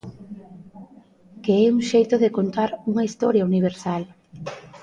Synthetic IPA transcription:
keɛuŋʃejt̪oðekont̪aɾuŋɐist̪ɔɾjɐuniβ̞eɾsal

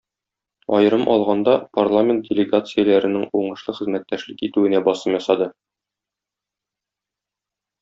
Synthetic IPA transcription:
ɒjɤ̆ɾɤmʔɒlˠʁɑnd̪ɑparlˠamʲent̪̚dʲɪlʲɪɡat̪sɨjəlæɾɘ̆nɘŋuɴɤ̆ʃlˠɤχɘ̆zmæt̪ːæʃlɘkit̪ʉɘ̆næbɒsɤmjɒsɑd̪ɤ

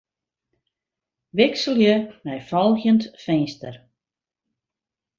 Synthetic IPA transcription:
ʋɪksəlˠjəmɛjfɔlˠxjəntfɛjnstər

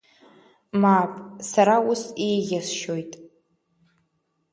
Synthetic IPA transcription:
mapʼsaɾaʊsejɣʲasʃo̞jtʼ

